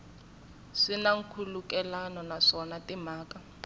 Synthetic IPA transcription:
sinaŋ̩kʰulukɛlanɔnaʂɔnatimaːkʼa

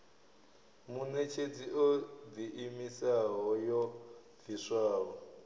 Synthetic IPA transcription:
munɛt͡ʃʰed͡ziʔod̪iʔimisaɦɔjɔ | v̥iswaːɦɔ

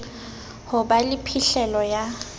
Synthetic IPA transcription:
hʊbalɪpʰiɬɛlɔja

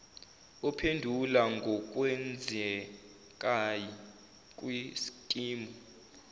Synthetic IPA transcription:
ɔpʰendʱulaŋɡʱɔk̬ʼwɛnd͡zʱɛ | kʼaji | kʼwisi̥kʼiːmɔ

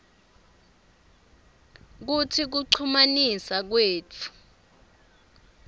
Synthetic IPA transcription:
k̬utʰik̬uǀʰumanisak̬weːt͡fʰu̥

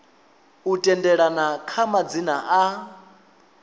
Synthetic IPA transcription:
utʼɛndɛɺanakʰamad͡zinaʔa

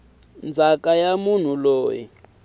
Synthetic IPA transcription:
nd͡zʱakʼajamun̤uloːji

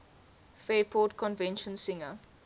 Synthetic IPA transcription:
fɛːpʰɔːtkʰɔ̃nvɛ̃nʃə̃nsɪŋə

